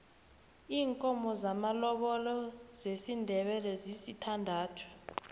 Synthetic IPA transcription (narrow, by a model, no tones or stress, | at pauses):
iːŋkʼɔmɔzamalɔɓɔlɔzesindʱɛɓɛlɛzisitʰandʱaːtʰu̥